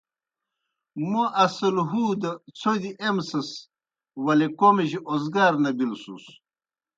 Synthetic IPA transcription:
moʔɐsɐlɦuːd̪ɐt͡sʰod̪iʔemsɐs | wɐlekomeʑiʔozɡaːɾnɐbilsṵs

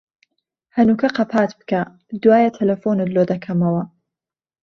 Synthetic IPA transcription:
hɐnuːkʰɐqɐpʰaːt̪bɨ̥kʰɐ | d̪waːjɐt̪ʰɐlɐfonɨd̪lod̪ɐkʰɐmɐwɐ

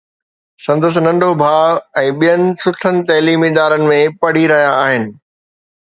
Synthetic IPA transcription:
sɐ̃nd̪əs̬nɐ̃ɳɖʱobʱaːɛ̃ːɓijənɪ̆sʊʈʰənɪ̆t̪ɐɦliːmid̪aːɾənɪ̆mẽpɐɽ̤iɾɐɦijaːɦɪnɪ̆

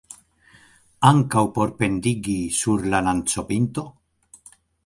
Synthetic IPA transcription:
aŋkawpo̞ɾpe̞nd̪iɡisuɾlanant͡so̞pint̪o̞

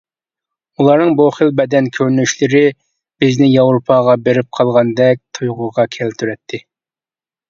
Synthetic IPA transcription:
ulˠɑɾnɨŋboχəlˠbɛd̪ɛnkʲʰøɾnyʃlɪɾɪ | b̥ɪznɪjɑwɾopʰɑʁɑbeɾɪp̚qʰɑlˠʁɑnd̪ɛk̚ʲt̪ʰujʁʊʁɑkʲʰɛlt̪ʰyɾɛt̪ʰːɪ

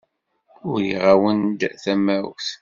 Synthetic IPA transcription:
ʊɾjiʁawənd̪θæmæ̰θ

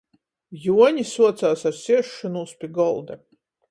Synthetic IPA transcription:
juɔnʲisuɔt̪saːsaɾsʲiɛʃːanuspʲiɡɔlˠd̪ɐ

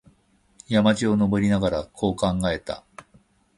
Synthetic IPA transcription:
jamat͡ɕio̞no̞bo̞ɾʲinaɡaɾakʰo̞ːkãŋɡae̞t̪a̰

